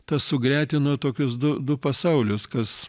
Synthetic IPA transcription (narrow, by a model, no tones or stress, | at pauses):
t̪ɐssʊɡɾʲæːt̪ʲɪnuːt̪oːkʲʊsd̪ʊd̪ʊpɐsɐʊlʲʊskɐs